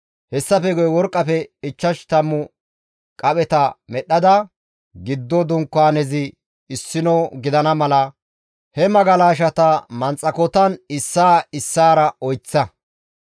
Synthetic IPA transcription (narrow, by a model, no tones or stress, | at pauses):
hɛsːɐfɛɡɔjwɔɾkʼːɐfɛɪt͡ʃːɐʃt̪ɐmːʊ | kʼɐɓɛt̪ɐmɛɗːɐd̪ɐ | ɡɪd̪ːɔd̪ʊŋkːaːnɛzɪː | sːɪnɔɡɪd̪ɐnɐmɐlɐ | hɛmɐɡɐlaːʃ̬ɐt̪ɐmɐnt͡sʼɐkɔt̪ɐnɪsːaːɪsːaːɾɐɔjt͡sːɐ